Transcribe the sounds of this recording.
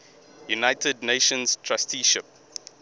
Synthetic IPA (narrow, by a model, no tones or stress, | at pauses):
junaɪtʰədneʃə̃nz̥tʰɹastʰiʃɪp̚